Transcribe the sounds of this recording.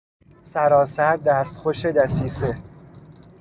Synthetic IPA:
sæɾɒːsæɾd̪æːst̪xoʃed̪æsiːse

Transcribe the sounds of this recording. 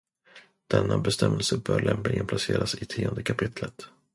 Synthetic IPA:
d̪̥ɛnːabɛst̪ɛmːəlsəbœːɾɭɛmplɪɡənpʰlaseːɾasɪt̪ʰiːɔnd̪əkʰapʰɪt̪lət̪

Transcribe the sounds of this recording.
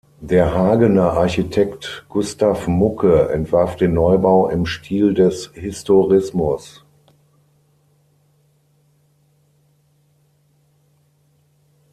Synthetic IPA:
deːɐɦaːɡənɐʔaɐçitʰɛktɡ̥ʊstafmʊkʰəɛ̰ntv̥aɐfd̥eːnːɔʏbaʊʔɪ̰mʃtʰiːldɛshɪstoʁɪsmʊs

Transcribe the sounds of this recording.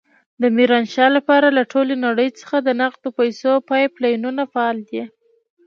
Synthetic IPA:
d̪əmiɾɑnʃɑlapɑɾalaʈʰolenaɽəjt͡sə̥xad̪ənaqt̪opajsopɑjplɑjununafaɑld̪i

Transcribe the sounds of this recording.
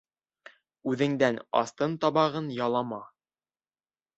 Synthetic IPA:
ʉðɘ̆ŋd̪ænɑ̰st̪ɤnt̪ɑβɑʁɤnjɑlˠɑmɑ

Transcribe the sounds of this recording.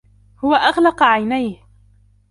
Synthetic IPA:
hʊwaʔɑɣlɑqʕajnajh

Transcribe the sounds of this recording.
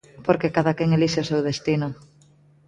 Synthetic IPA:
poɾkekaðakeŋeliʃeosewðest̪ino

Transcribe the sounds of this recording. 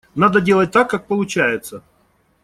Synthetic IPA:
nad̪ədʲelˠət̚ʲt̪akːak̚pəlˠʊt͡ɕæjɪt̪sə

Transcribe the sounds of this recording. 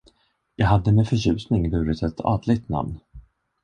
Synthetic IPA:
jɑːɡɦad̪ːəmɛfœɕʉ̟ːsnɪŋbʉ̟ːɾɪt̪ʰɛt̪ʰɑ̰ːd̪lɪɡ̚t̪na̰mn

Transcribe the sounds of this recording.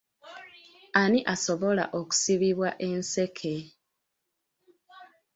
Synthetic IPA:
aniʔaso̞βola̰ʔoku̥siβiβwaʔe̞nse̞kʰe

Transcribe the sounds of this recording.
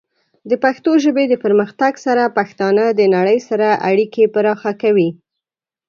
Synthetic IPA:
d̪əpaxt̪oʒəbed̪əpəɾməxt̪aɡsaɾapaxt̪ɑnad̪ənaɽəjsaɾaʔa̰ɽikepəɾɑxakawi

